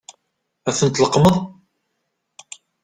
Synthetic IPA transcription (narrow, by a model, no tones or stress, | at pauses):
æθənt̪ləqməðˤ